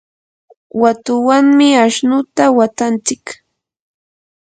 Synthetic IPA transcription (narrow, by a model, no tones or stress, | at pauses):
wat̪ʊwaŋmɪaʃnʊt̪awat̪ant͡sɪk